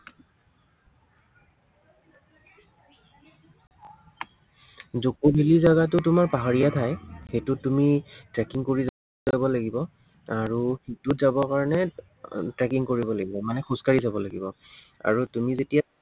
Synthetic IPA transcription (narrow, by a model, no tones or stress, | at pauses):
zokobʱilizaɡat̬ʊtʊmaɹpaɦaɹijatʰajxejtʊtumitɹɛkiŋkoɹiz | bɔlaɡibɔ | aɹuxitʊtzabɔkaɹɔnɛ | tɹɛkiŋkoɹibɔlaɡibɔmanɛxuskaɹizabɔlaɡibɔ | a̰ɹutumizetija